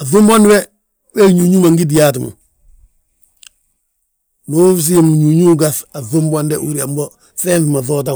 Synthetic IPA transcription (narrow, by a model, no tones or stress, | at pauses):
aðumbonwe | weɲuɲuːmaŋɡid̬ijaːt̬mṵ | nufs̬imuɲuɲuːɡasaðumbandeʔṵɾiambo | feːnθmaθot̬a